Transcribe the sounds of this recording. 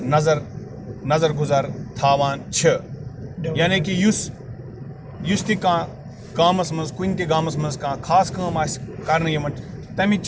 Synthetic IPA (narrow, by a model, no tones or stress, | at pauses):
nɐzɐɾ | nɐzɐɾɡuzaːɾt̪ʰaːʋaːnt͡ʃʰɐ | jaːnekijus | just̪ikãː | kaːmɐsmɐnzkunʲt̪eɡaːmɐsmɐnzkãːkʰaːskãːmaːskɐɾnɐjɐmɐʈʰ | t̪ɐmĩt͡ʃ